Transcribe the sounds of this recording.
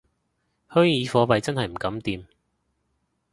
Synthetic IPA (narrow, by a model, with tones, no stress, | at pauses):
hœː˥ŋjiː˨˧fɔː˨˧pɐ˨jt͡sɐ˥nɦɐ˨jm̩˨˩kɐ˨˥mt̪iː˨˧m